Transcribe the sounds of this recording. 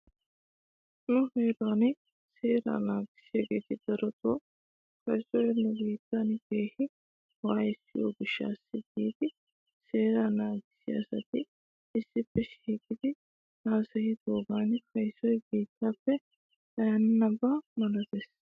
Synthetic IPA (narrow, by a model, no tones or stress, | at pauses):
nʊheːɾaːnɪ | seːɾa̰naːɡɪ̥sɪɐɡeːt̪ɪd̪̥ɐɾɔt̪oː | kɐjsɔjɛnːʊbiːt̪ːaːnɪɡeːhɪ | waːjɪsːɪjo̰ːɡɪʃːa̰ːsːɪɡiːd̪ɪ | seːɾɐnaːɡɪ̥sɪɐ̰sɐt̪ɪ | ɪsːɪpːɛʃiːkɪd̪ɪ | naːsɐhɪd̪oːɡaːnɪfɐjsɔjbiːt̪ːaːpːɛ | d̪ɐjannɐbːamɐlɐt̪ɛs